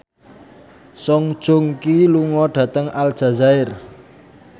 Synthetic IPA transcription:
sɔŋd̥ʒ̥oŋkiluŋɔɖ̥ä̤t̪əŋal̥ʒ̥a̤zaɪr

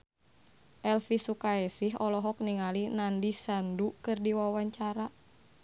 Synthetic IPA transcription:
ʔɛlfisukaɛsiɦɔlɔɦɔk̚niŋalinandisandukɨrdiwawaɲt͡ʃaɾa

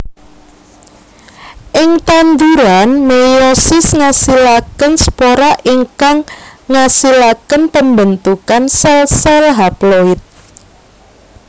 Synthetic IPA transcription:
ʔɪŋt̪and̪uɾanmejɔsɪsŋasilakənsə̥poɾaʔiŋkaŋːasilakənpəmbənt̪ukansɛlsɛlɦaploɪt̪̚

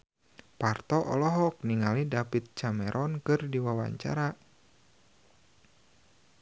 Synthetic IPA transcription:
part̪ɔʔɔ̰lɔɦɔk̚niŋalidapit̪̚t͡ʃamɛɾʔɔnkɨrdiwawa̰ɲt͡ʃa̰ɾa

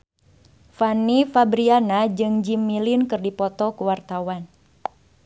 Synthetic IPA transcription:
fanifabɾianad͡ʒɨŋd͡ʒimːilɪnkɨrdipɔt̪ɔkuwart̪awan

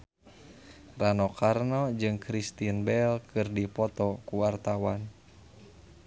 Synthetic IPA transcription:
ranɔkarnɔd͡ʒɨŋkɾist̪inbɛlkɨrdipɔt̪ɔkuwart̪awan

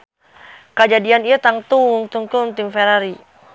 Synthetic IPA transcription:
kəd͡ʒadianiat̪aŋt̪uŋt̪uŋk̪unt̪imfeɾaɾi

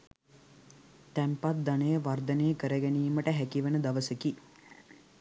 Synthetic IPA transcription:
t̪æmpat̪̚d̪anəjəʋard̪ənejːəkəɾəɡɛniːməʈəɦækiʋənəd̪aʋəsəki

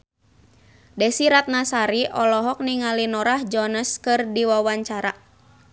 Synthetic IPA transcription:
dɛsiɾat̪̚nasaɾiʔɔlɔɦɔk̚niŋalinɔɾahd͡ʒɔnəskɨrdiwawaɲt͡ʃaɾa

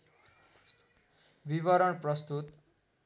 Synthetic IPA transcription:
ʋiʋʌɾʌɳprʌst̪ut̪

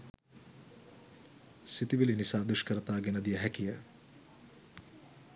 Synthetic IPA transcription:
sit̪iʋilinisaːd̪uʃkəɾət̪aːɡenəd̪ijəɦækijə

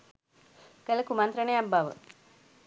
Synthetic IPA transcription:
kələkumant̪ɾəɳəjabːaʋə̰

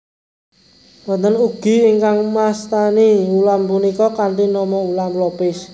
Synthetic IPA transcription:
mənt̪ənuɡ̥i̤iŋkaŋmast̪aniulampunikɔkant̪inɔmɔulamlɔpɪs

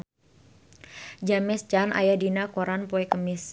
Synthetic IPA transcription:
d͡ʒamɛst͡ʃanʔa̰jadinakoɾanpoɛkəmɪs

